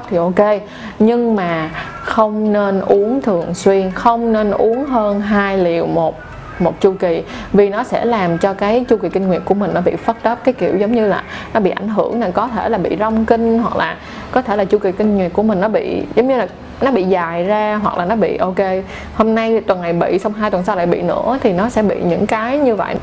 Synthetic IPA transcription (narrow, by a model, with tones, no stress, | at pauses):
p̚t̪ʰi˨˩ʔo˧ke˧ | ɲɨ˧ŋmaː˨˩ | xə˧wŋ͡mne˧nʔu˨˦əŋt̪ʰɨ˨˩əŋswi˧ənxə˧wŋ͡mne˧nʔu˨˦əŋɦəː˧nɦaː˧jli˨˩əwmo˨˩t̚ | mo˨˩t̚t͡ɕu˧ki˨˩ | vi˨˩nɔ˨˦sɛ̰˧˥laː˨˩mt͡ɕɔ˧kaː˨˦jt͡ɕu˧ki˨˩ki˧ŋ̟ŋwi˨˩ət̚ku˧˩əmï˨˩ŋ̟nɔ˨˦ɓḭ˧˨fə˦˥t̚t̪ə˦˥p̚kaː˨˦jkḭ˧˩əwzə˨˦ŋ͡mɲɨ˧laː˨˩nɔ˨˦ɓḭ˧˨ʔa˧˩jŋ̟ɦɨ˧˩əŋnaː˨˩kɔ˨˦t̪ʰe˧˩laː˨˩ɓḭ˧˨zɔ˧wŋ͡mkï˧ŋ̟hwa˨˩k̚lʔaː˨˩ | kɔ˨˦t̪ʰe˧˩laː˨˩t͡ɕu˧ki˨˩kï˧ŋ̟ŋwi˨˩t̚kːu˧˩əmï˨˩ŋ̟nɔ˨˦ɓḭ˧˨zə˨˦ŋ͡mɲɨ˧laː˨˩ | nɔ˨˦ɓḭ˧˨zaː˨˩jzaː˧ɦwa˨˩k̚lʔaː˨˩nɔ˨˦ɓḭ˧˨ʔo˧ke˧ | ho˧mna˧jt̪wə˨˩nŋa˨˩jɓḭ˧˨sa˧wŋ͡mɦaː˧jt̪wə˨˩nsa˧˦wla̰ː˧˨jɓḭ˧˨nɨ̰˧˥ət̪ʰi˨˩nɔ˨˦sɛ̰˧˥ɓḭ˧˨ɲɨ̰˧˥ŋkaː˨˦jɲɨ˧və̰˧˨j